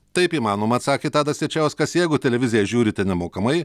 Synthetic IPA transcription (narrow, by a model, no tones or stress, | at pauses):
t̪ɐɪpiːmɑːnoːmɐːt̪sɑːkʲeːt̪ɑːd̪ɐsʲɛt͡ʃʲɛʊsʲkɐsjɛɪɡʊt̪ʲɛlʲɛʋʲɪzʲɪjɛʒʲuːɾʲɪt̪ʲɛnʲɛmoːkɐmɐɪ